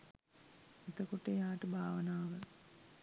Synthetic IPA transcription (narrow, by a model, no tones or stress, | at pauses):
et̪əkoʈəjaːʈəbʱaːʋənaːʋə